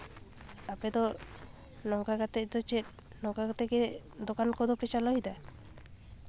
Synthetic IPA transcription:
apet̪ɔ | nɔkakat̪et̪ɔt͡ʃet̪̚ | nɔkakat̪eked̪okankɔd̪ɔpet͡ʃalɔɦid̪a

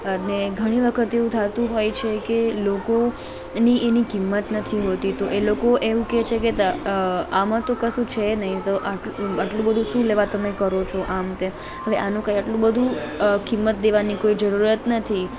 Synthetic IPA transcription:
əneɡʱəɽ̃iʋəkʰət̪eʋũt̪ʰat̪ũɦojt͡ʃʰekeloko | niʔenikimːət̪nət̪ʰiɦot̪it̪oʔelokoʔeʋũket͡ʃʰeket̪əamãt̪okəsũt͡ʃʰenəɦĩt̪oʔaʈaʈlũbəd̪ʱũʃũleʋat̪əmekəɾot͡ʃʰoʔamt̪e | ɦəʋeʔanũkãjaʈlũbəd̪ʱũkimːət̪̚d̪eʋanikoid͡ʒəɾuɾət̪nət̪ʰi

